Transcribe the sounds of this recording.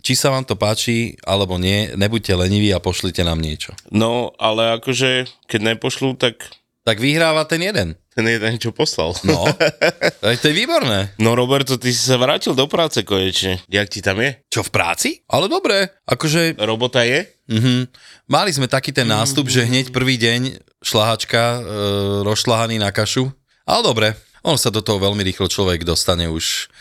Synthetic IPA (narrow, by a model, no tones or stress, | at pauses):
t͡ʃisaʋaːmt̪ɔpaːt͡ʃia̰lɛbɔɲɪɛɲɛbuc̚cɛlɛɲiʋiːapɔʃlicɛna̰ːmɲɪɛt͡ʃɔnɔalɛakɔʒɛkɛɟɲɛpɔʃlut̪ak | t̪aɡʋiɦɾaːʋat̪ɛnjɛd̪ɛnt̪ɛnjɛd̪ɛnt͡ʃɔpɔsla̰lnɔ | ajt̪ɔjɛʋiːbɔɾnɛːnɔɾɔbɛɾt̪ɔt̪isi̥saʋɾaːcild̪ɔpɾaːt͡sɛkɔɲɛt͡ʃɲɛjak̚cit̪amjɛt͡ʃɔfpɾa̰ːt͡siʔalɛd̪ɔbɾɛʔakɔʒɛɾɔbɔt̪ajɛ | m̩ɦm̩malizmɛt̪akiːt̪ɛnːaːst̪ubʒɛɦɲɛcpr̩ʋiːɟɛɲ | ʃlaɦat͡ʃka | ɾɔsʃlaɦaniːnakaʃu | ʔa̰lɛd̪ɔbɾɛ | ɔnɔsad̪ɔt̪ɔɦɔʋɛlmiɾiːxlɔt͡ʃlɔʋɛɡd̪ɔst̪aɲɛuʃ